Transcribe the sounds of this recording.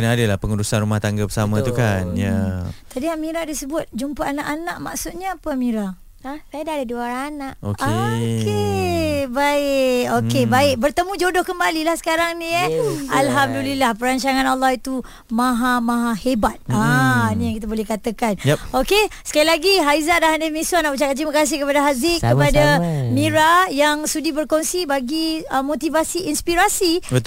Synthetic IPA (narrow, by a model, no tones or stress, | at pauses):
kənaadəlahpəŋudusanɾumaht̪aŋɡabəsamãt̪ukanjat̪adiamĩɾadisəbʊt̪̚d͡ʒumpaanaʔanaʔma̰ksʊt̪̚ɲaːpəamiɾa | sajadadəduaɾanaʔo̰kaoke | baɪʔkokebaɪʔ̚bərt̪əmũd͡ʒodɔhkəmbalilahsə̥kaɾaŋnĩalɦamdulilahpəɾaɲt͡ʃaŋãnalːɔhit̪u | mãɦamãɦahebat̪̚anĩjãŋkit̪abolɛhkat̪akanokesə̥kailaɡiɦaizaʔ̚daɦandamĩsuanaʔput͡ʃakat̪t̪ɾimakas̬ɪhkəpadaɦaziʔ̚kəpadamiɾajaŋsudibərkonsibaɡiəmõt̪ivasiinspiɾasi